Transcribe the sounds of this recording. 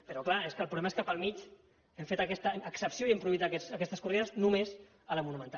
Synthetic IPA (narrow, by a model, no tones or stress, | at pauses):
pəɾɔklaeskəlpɾulɛməeskəpəlˠmit͡ʃ | emfet̪əkɛst̪əəksəpsioiempɾuðit̪əkɛsəkɛst̪əskuriðəznumez | ələmunumə̃nt̪a